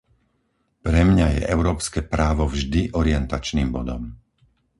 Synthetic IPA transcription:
pɾɛmɲajɛ̰ʔɛʊɾɔːpskɛpɾaːʋɔvʒd̪iʔɔɾɪɛnt̪at͡ʃniːmbɔd̪ɔm

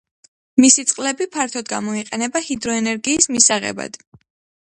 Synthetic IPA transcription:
misit̪sʼqʼlɛbipʰaɾt̪ʰɔd̪ɡamɔiqʼɛnɛbahid̪ɾɔɛnɛɾɡiːsmisaʁɛ̰ba̰d̪̥

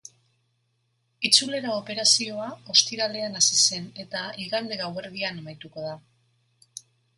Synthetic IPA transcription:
it͡sule̞ɾaope̞ɾasio̞ao̞st̪iɾale̞anasise̞ne̞t̪aiɣand̪e̞ɣawβe̞ɾðianemajt̪uko̞ð̞a

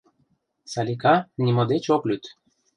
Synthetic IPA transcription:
sɑlʲikɑnʲimod̪et͡ɕoklʲyt̪

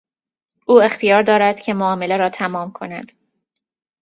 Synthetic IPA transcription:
ʔuːe̞xt̪ʰijɒːɾd̪ɒːɾæd̪̥cʰe̞moɒːme̞leɾɒːt̪ʰæmɒːmkʰo̞næ̰d̪̥

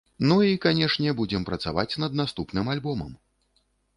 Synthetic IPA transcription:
nuikanʲɛʂnʲɛbud͡zʲɛmpɾɐt̪sa̰vat͡sʲnɐd̪nast̪upnɨmalʲbɔmɐ̰m

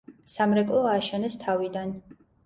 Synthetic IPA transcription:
samɾɛkʼlˠɔaːʃɛnɛst̪ʰavid̪an

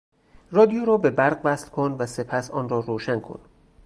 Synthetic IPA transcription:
rɒːd̪ijoɾɒːbe̞bæɾɢvæslkʰonvæse̞pʰæsɒːnrɒːɾoːʃænkʰo̰n

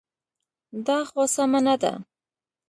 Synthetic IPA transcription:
d̪ɑxosamanad̪a̰

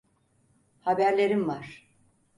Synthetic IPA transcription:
habæɾlʲe̞ɾimvaɾ̥

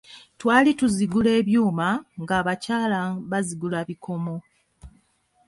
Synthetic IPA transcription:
twaːlituziɡule̞ːβjuːmaŋɡaːβacaːlaβaziɡulaβikʰo̞mo̞

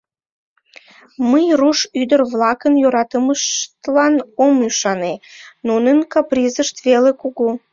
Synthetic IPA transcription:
məjruʃyd̪ərvlɑkənjøɾɑt̪əməʃt̪lɑnomyʃɑnenunənkɑprizəʃt̪velekuɣu

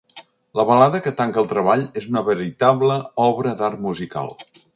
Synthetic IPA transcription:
ləβəlaðəkət̪aŋkəlˠt̪ɾəβaʎezunəβəɾit̪aβləɔβɾəd̪armuzika̰lˠ

